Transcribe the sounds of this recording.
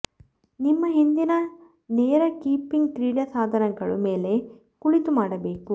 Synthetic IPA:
nimːɐɦind̪inɐ | neːɾɐkiːpiŋɡkɾiːɽɐsaːd̪ʱɐɾɐɡɐɭṵme̞ːle̞ | kuɭit̪umaːɽɐbe̞ːku

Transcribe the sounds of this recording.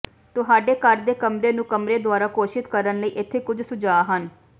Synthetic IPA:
t̪ʊɦaːɖeːkəɾd̪eːkəmɾeːnũːkəmɾeːd̪ʊaːɾaːkoːʃɪt̪kəɾənləiːʔɪt̪ʰːeːkʊd͡ʒsʊd͡ʒaːɦən

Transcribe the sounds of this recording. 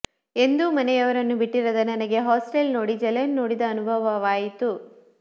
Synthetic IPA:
e̞nd̪umɐnɛjɐʋɐɾɐnːubiʈːiɾɐd̪ɐnɐnɐɡe̞ɦaːsʈelno̞ːɽid͡ʒɐlɐɐnːo̞ːɽid̪ɐːnubʱɐʋɐʋaːjit̪u

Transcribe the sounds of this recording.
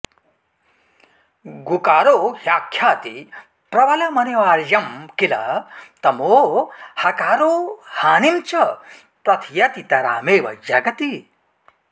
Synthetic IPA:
ɡukaːɾoːɦjaːkʰjaːt̪i | pɾɐʋɐlɐmɐneʋaːɾjɐmkilɐ̰t̪ɐmoːhɐkaːɾoːhaːnimt͡ʃɐ | pɾɐt̪ʰjɐt̪it̪ɐɾa̰ːmeːʋɐ̰d͡ʒɐɡɐt̪i

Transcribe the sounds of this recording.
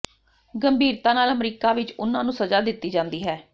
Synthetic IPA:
ɡəmbʱiːɾt̪aːnaːləmɾiːkaːʋɪt͡ʃʊnːãːnũːsəzaːd̪ɪt̪ːiːd͡ʒãːnd̪iːɦɛː

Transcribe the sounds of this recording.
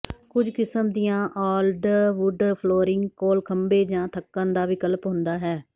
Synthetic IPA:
kʊd͡ʒkɪsəmd̪ijãːʔaːlɖʋʊɖpʰloːɾɪŋɡkoːlkʰəmbeːd͡ʒãːt̪ʰəkːãːnd̪aːʋɪkəlpɦʊ̃nd̪aːɦɛː

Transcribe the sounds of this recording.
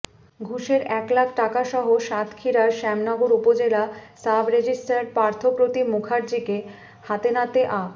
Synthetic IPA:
ɡʱuʃeɾɛklak̚ʰʈakaʃɔɦoʃat̪ʰkʰiɾaɾʃɛmnɔɡoɾupod͡ʑelasabɾed͡ʑisʈaɾpaɾt̪ʰopɾot̪imukʰaɾd͡ʑike | hat̪enat̪eʔa

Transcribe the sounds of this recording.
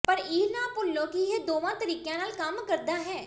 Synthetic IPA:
pəɾiːlnaːpʊlːõːkiɦeːd̪oːʋãːt̪əɾiːkjãːnaːlkəmkəɾd̪aːɦɛ̃ː

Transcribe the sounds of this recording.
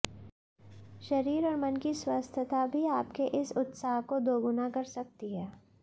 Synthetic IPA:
ʃɐɾiːɾɔːɾmɐnkiswaːst̪ʰjət̪abʱiaːpkeʔɪsʊt̪saːɦkod̪oːɡʊnakɐɾsɐk̚t̪iɦɛː

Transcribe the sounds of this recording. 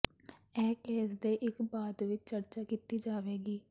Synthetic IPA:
ɛːkeːsd̪eːʔɪkbaːd̪ʋɪt͡ʃt͡ʃəɾt͡ʃaːkiːt̪iːd͡ʒaːʋeːɡiː

